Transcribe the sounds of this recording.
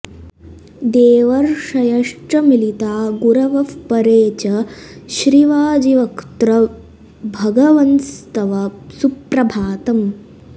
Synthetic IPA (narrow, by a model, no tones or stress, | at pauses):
d̪eːʋɐɾʂɐjɐʂʈɐmilit̪aːɡuɾɐʋɐfpɐɾeːt͡ʃɐʃɾiʋaːd͡ʒiʋɐkt̪ɾɐ | bʱɐɡɐʋɐnst̪ɐʋɐsupɾɐbʱaːt̪ɐm